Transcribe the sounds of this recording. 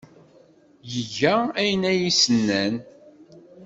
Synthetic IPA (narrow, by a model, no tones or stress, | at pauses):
jəʝææjənæjisənːæn